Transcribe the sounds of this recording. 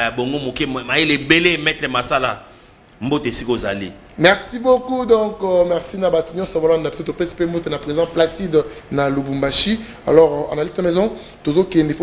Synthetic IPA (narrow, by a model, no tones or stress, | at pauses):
aboŋɡomokemajelebelemɛtʁɛmasala̰ | mboteesikozalḭ | mɛʁsibokudɔ̃kmɛʁsinabatunjɔ̃sbalnapttopɛse̥pembotenapʁezɑ̃plasidnalobumbaʃi | a̰lɔʁa̰nalitnamɛzɔ̃ | tozokɛndefo